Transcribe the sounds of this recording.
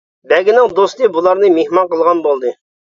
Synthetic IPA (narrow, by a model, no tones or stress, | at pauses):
bæɡʲɪnɪŋd̪ost̪əbulˠɑɾnɨmehmɑɴqəlˠʁɑnbolˠd̪ɨ